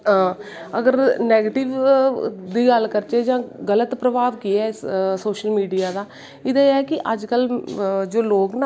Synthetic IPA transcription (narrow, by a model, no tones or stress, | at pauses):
ɦãː | əɡəɾnɛːɡeːʈɪʋ | d̪iːɡəlkəɾt͡ʃeːd͡ʒãːɡələt̪pɾəbaːʋkiːɛːɪssoːʃəlmiːɖijaːd̪aː | ɪd̪eːɛːkɪʔəd͡ʒkəld͡ʒoːloːkna